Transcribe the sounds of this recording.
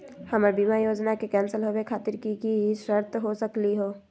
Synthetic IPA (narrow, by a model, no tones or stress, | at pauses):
hɐməɾbimajoːd͡ʒnakekɛ̃ːnsəlɦowekʰaːt̪ɪɾkikiʃəɾt̪ʰɦosəkliɦoː